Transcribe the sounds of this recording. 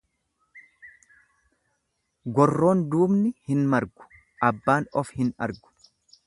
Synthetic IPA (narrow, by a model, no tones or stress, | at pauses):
ɡɔrːo̞ːnd̪uːbnɪhɪnmɐɾɡʊ̥ | ʔɐbːaːnɔfhɪnɐ̰ɾɡʊ̥